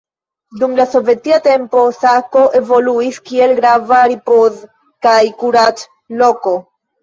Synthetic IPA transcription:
dumlaso̞ve̞tiate̞mpo̞sako̞ʔe̞vo̞luiskie̞lɡɾavaɾipoz | kajkuɾat | lo̞ko̞

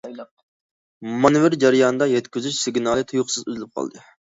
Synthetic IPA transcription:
mɑnɨvɪɾd͡ʒɑɾɨjɑnɨd̪ɑjɛt̪kʲyzyʃsɪɡʲnɑlˠɨt̪ʰujʊχsɨzyzɪlɪp̚qʰɑ̰lˠd̪ɨ

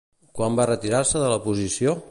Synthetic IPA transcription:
kwambarət̪iɾarsəðələpuzisio

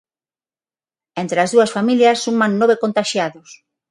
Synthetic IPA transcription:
ent̪ɾeazðuɐsfamiljɐsːumannoβekont̪aʃjaðʊs

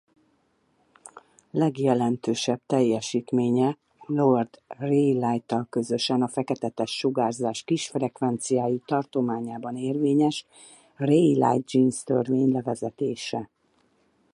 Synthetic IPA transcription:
lɛɡjɛlɛnt̪øːʃɛbt̪ɛjːɛʃiːt̪meːɲɛ | lord̪rejlajt̪ɒlkø̞zø̞ʃɛnɒfɛkɛt̪ɛt̪ɛʃːuɡaːzaːʃkiʃfrɛkʋɛnt̪sijaːjit̪ɒrt̪o̞maːɲaːbɒneːrveːɲɛʃ | rejla̰jd̪d͡ʒinst̪ø̰rveːɲlɛvɛzɛt̪eːʃɛ

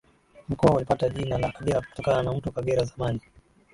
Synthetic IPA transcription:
m̩kɔwaulipataʄinalakaɠɛɾaku̥tɔkananam̩tukaɠɛɾazamani

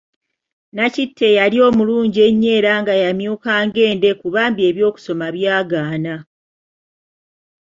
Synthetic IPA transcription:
nacitʰːe̞jaɾio̞ːmuluːɲɟie̞ɲːe̞ːɾaːŋɡajamjuːkaːŋɡe̞ːnde̞kuβaːmbie̞βjo̞ːku̥so̞maβjaːɡaːna

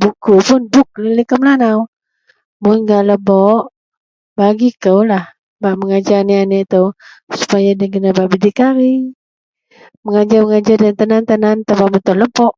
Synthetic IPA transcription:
bukupʊnbʊk̚lələkəmlanaw | mʊnɡaləbɔʔ | baɡikəwlah | baʔməŋad͡ʒanianɛʔt̪əwsu̥pajadaɡənabaʔbidikaɾi | məŋad͡ʒaməŋad͡ʒardant̪ənant̪ənant̪abamət̪ɔləbɔʔ

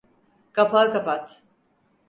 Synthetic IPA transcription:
kʰapakapat̪

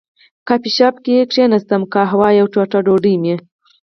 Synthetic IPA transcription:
kapiʃɑːpkeekʂenast̪amkɑɦawɑːjawʈ͡ʂoʈaɖoɖijme

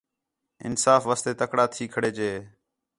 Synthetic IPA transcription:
ɪ̰nsaːfʋaːst̪eːt̪əkɽaːt̪ʰiːkʰəɽeːt͡ʃeː

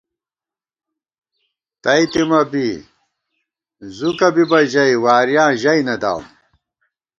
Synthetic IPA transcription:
t̪ɐjt̪imɐbi | zukɐbibɐʑɐjwaːɾjãːʑɐjnɐd̪a̰wm

